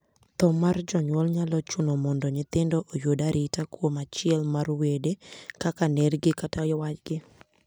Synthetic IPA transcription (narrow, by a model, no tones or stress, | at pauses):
t̪ɔmard͡ʒɔɲwɔlɲalɔt͡ʃʊnɔmɔndɔɲɪt̪ɪndɔʔojodaɾʔɪtakwomat͡ʃɪɛlmarwedekakanɛrɡɪkatajɔwat͡ʃɡɪ